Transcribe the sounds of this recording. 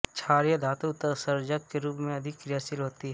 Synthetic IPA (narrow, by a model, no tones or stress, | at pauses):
t͡ʃʰaːɾjəd̪ʱaːt̪ut̪əsəɾd͡ʒəkkeɾuːpmẽɐd̪ʱɪkːɾɪjaːsɪlɦoːt̪iɦ